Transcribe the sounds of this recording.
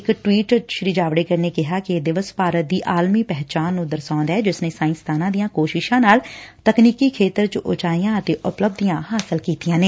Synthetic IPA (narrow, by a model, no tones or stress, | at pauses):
ɪkʈwiːʈʃɾiːd͡ʒaːʋɽeːkəɾneːkɪɦaːkɪd̪ɪʋəspaːɾət̪̚d̪iːʔaːlmiːpɛɦt͡ʃaːnːũːd̪əɾsãːnd̪aɛːd͡ʒɪsneːsaːɪ̃nst̪ʰaːnãːd̪ijãːkoːʃɪʃãːnaːlt̪əkniːkiːkʰeːt̪əɾt͡ʃʔʊ̰t͡ʃaːijãːət̪eːʔʊpləb̚d̪ijãːɦaːsəlkiːt̪ijãːneː